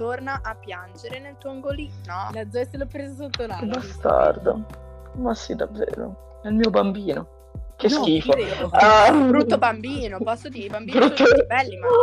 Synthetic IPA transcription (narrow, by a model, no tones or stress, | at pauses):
t̪ornaʔapːjand͡ʒeɾenelt̪uoaŋɡoliolad̪zɔselopɾezasot̪ːobast̪a̰rd̪a̰ | masid̪avːḛːɾo̰ | ɛilmiːobambiːno | kesk̟iːfo | bɾut̪ːobambiːnopɔsːod̪ibambbɾut̪ːobɛlːim